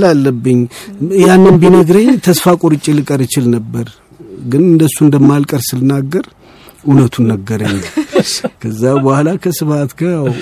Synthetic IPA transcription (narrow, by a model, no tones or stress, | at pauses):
lalːəbːɨɲːjanːɨnbinəɡɾəɲːt̪ʰəsfakʼoɾɨt͡ʃʼːilɨkʼəɾɨt͡ʃɪlnəbːəɾ | ɡɨnɨnd̪əsːuɨnd̪əmːalkʼəɾsɨlnːaɡːəɾ | ʔunət̪ʰunːəɡːəɾəɲː | kʰəzːabəhalakʰəsɨfat̪ɡajaw